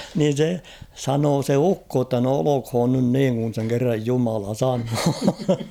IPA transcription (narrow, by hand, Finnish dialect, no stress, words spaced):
niːn̞ se sɑnoː se ukːo tːɑ no olokh̝oːn nyn niːŋ kun̞ seŋ kerːɑj jumɑlɑ sɑnoː